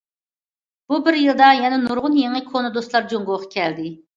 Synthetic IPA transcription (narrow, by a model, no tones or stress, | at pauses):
b̥ubɪɾjɨlˠd̪ɑjɛnɛnuɾʁʊnjeŋɪkʰonɨd̪ost̪lˠɑɾd͡ʒoŋɡoqʰɑ̥kʲʰɛld̪ɪ